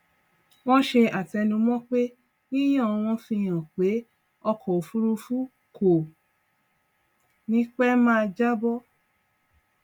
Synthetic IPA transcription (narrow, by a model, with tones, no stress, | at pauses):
w̃ɔ̃˦ʃe˧a˨tɛ˧nũ˧mɔ̃˦k͡pe˦ | wi˦j̃ã˦˨˧w̃ɔ̃˧fĩ˧j̃ã˨k͡pe˨˦ | ɔ˧kʰɔ˨o˨fu˦ɾu˧fu˦ | kʰo˨ | nĩ˨˦k͡pɛ˦mãː˦˧d͡ʒa˦bɔ˦